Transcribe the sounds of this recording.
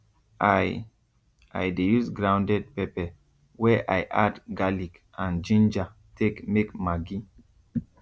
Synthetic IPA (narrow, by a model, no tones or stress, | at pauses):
aj | a̰jdejusɡɹãʊ̃ndɛd̚pɛpɛ | wɛʔajʔadɡalik | ãnd͡ʒĩnd͡ʒa | tekmekmaɡi